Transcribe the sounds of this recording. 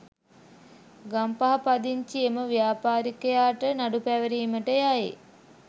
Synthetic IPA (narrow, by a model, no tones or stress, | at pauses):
ɡampaɦapad̪iɲt͡ʃieməʋijaːpaːɾikəjaːʈənaɖupæʋəɾiːməʈəjajḛ